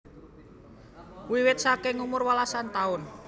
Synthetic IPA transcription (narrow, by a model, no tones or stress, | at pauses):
wiwɪt̪̚sakeŋumʊrwalasant̪aʊn